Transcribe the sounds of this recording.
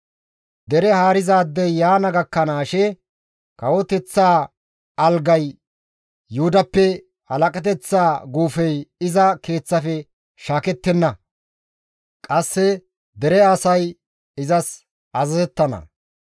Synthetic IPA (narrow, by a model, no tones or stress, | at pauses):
d̪ɛɾɛhaːɾɪzaːd̪ːɛjjaːnɐɡɐkːɐnaːʃɛ | kɐwɔt̪ɛt͡sːaː | ɐlɡɐjː | uʊd̪ɐpːɛ | hɐlɐkʼɐt̪ɛt͡sːaːɡuːfɛjɪzɐke̞ːt͡sːɐfɛ | ʃaːkɛt̪ːɛnːɐ | kʼɐsːɛ | d̪ɛɾɛɐsɐj | ɪzɐs | ɐzɐzɛt̪ːɐnɐ̰